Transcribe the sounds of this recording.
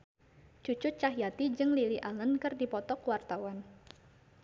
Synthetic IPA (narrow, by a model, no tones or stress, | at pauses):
t͡ʃut͡ʃʊt̪̚t͡ʃaɦjat̪id͡ʒɨŋliliʔalənkɨrdipɔt̪ɔkwart̪awan